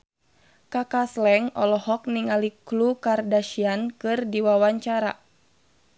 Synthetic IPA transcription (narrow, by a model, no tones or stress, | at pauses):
kakaslɛŋɔlɔhɔk̚niŋaliklukardaʃiankɨrdiwawaɲt͡ʃaɾa̰